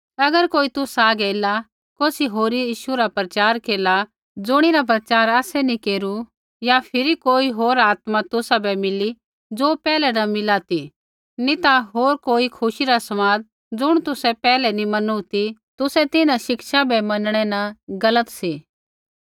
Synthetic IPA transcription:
ɐɡəɾkoːit̪ʊsaːɡɛla | koːsiɦoːɾiiːʃuɾapɾət͡ʃaːɾkeːla | d͡zʊɽ̃iɾap̬ɾɐt͡ʃaːɾaːsɛnikeːɾu | japʰɪɾikoːiɦoːɾaːt̪mat̪ʊsabɛmɪli | d͡zoːpɛːlɛnɐ̃mɪlat̪i | nit̪aɦoːɾkoːikʰʊʃiɾasɐmaːd̪̚ | d͡zʊɽ̃t̪ʊsɛpɛːlɛnimɐnut̪it̪ʊsɛt̪ɪnãʃɪkʃabɛmɐnɽ̃ɛnaɡɐlət̪siː

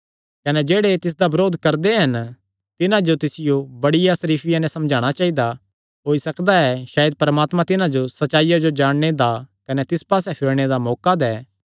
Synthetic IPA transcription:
kɐnɛd͡ʒeːɽet̪ɪs̬d̪abɐɾoːd̪ʱkɐɾd̪eɦɐn | t̪ɪnãd͡ʒot̪ɪsɪjobɐɽɪjasɐɾiːpʰɪjãnɛ̃sɐ̃md͡ʒʱaːɽ̃at͡ʃaːɦid̪a | ɦoːisɐkd̪aɛʃaːjəd̪̚pɐɾɐmaːt̪mãt̪ɪnãd͡ʒosɐtːt͡ʃːʃaːijad͡ʒod͡ʒaːɽ̃ñed̪akɐnɛt̪ɪspaːsɛpʰɪɭɽ̃ed̪amɔːkad̪ɛː

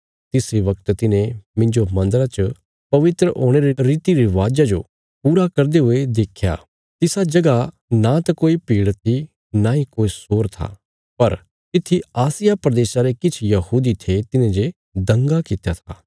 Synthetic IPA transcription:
t̪ɪseʋɐk̚t̪t̪ɪnẽmɪ̃ɲd͡ʒomɐ̃nd̪əɾat͡ʃə | pɐʋɪt̪ɾəʔoːɽ̃eɾeɾiːt̪iɾiʋaːd͡ʒad͡ʒo | puːɾakɐɾd̪eɦʊed̪eːkʰja̰ː | t̪ɪsad͡ʒɐɡa | nat̪ɐkoːipiːɽt̪ʰi | nãːĩkoːisoːɾt̪ʰa̰ | pɐɾ | t̪ɪt̪ʰːiaːsɪjapɾɐd̪eːsaɾekɪt͡ʃʰjɐhuːd̪it̪ʰet̪ɪnẽd͡ʒe | d̪ɐ̃ŋɡakɪt̪jat̪ʰa̰ː

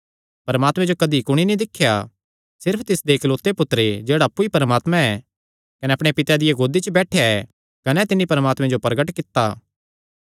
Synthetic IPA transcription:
pɐɾəmaːt̪mẽd͡ʒokɐd̪ikʊɽ̃inĩd̪ɪkʰːja | sɪɾpʰt̪ɪsd̪eːkʰloːt̪ːepʊt̪ːɾed͡ʒeːɽaɐpːuipɐɾəmaːt̪mãɛ | kɐnɛɐpɽ̃epɪt̪jad̪ɪjeɡoːd̪it͡ʃəbɛːʈʰejaɛ | kɐnɛt̪ɪnːipɐɾəmaːt̪mẽd͡ʒopɐɾɡəʈkɪt̪ːaː

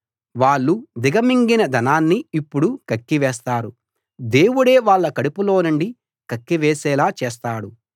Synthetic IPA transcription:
ʋaːɭːud̪iɡɐmiŋɡinɐd̪ʱɐnaːnːiːpːuɽukɐkːiʋɛːst̪aːɾu | d̪e̞ːwuɽeːʋaːɭːɐkɐɽipulo̞ːnuɳɖi | kɐkːiʋɛːsɛːlaːt͡ʃɛːs̬t̪aːɽu

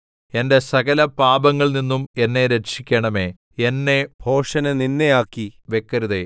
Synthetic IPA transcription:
e̞nde̞sɐɣɐlɐpaːbɐŋːɐɭninːume̞nːe̞ɾeʂikʲːɐɳɐme̞ | enːe̞bʱo̞ːʂɐnɐninːejaːkːiʋe̞kːɐɾuðe

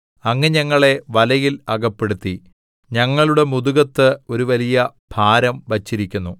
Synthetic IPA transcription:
ɐŋːɐɲɐŋːɐɭe̞ʋɐlɐjilɐɡɐpːe̞ɽut̪ːi | ɲɐŋːɐɭuɽe̞muðuɣɐt̪ːɨo̞ɾuʋɐlijɐb̥ʱaːɾɐmʋɐt͡ɕːiɾikʲːunːu

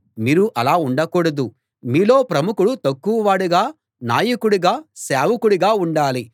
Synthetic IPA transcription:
miːɾuʔɐlaːuɳɖɐkɔːɽɐd̪u | miːlo̞ːpɾɐmukuɽut̪ɐkːuʋɐʋaːɽuɡaː | naːjɐkuɽuɡaːseːʋɐkuɽuɡaːuɳɖaːli

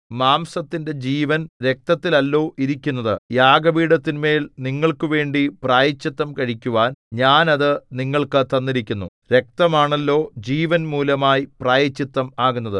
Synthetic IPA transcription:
maːmsɐt̪ːinde̞d͡ʑiːʋɐnɾe̞k̚t̪ɐt̪ːilɐlːo̞ːʔiɾikʲːunːɐðɨjaːɡɐbiːɽɐt̪ːinme̞ːlniŋːɐɭkɨʋe̞ːɳɖipraːjɐt͡ɕːɐt̪ːɐmkɐɻikʲːuʋaːnɲaːnɐðɨniŋːɐɭkɨt̪ɐnːiɾikʲːunːu | ɾe̞k̚t̪ɐmaːɳɐlːo̞ːd͡ʑiːʋɐnmuːlɐmaːjipraːjɐt͡ɕːɐt̪ːɐmaːɣunːɐðɨ

